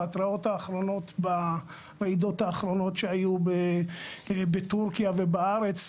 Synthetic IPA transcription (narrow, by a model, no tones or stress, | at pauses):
at̪ʁao̞taːχɾo̞no̞t̪ba | ʁeid̪o̞t̪haːχɾo̞no̞tʃeajube | betuʁkjavebaaʁe̞t͡s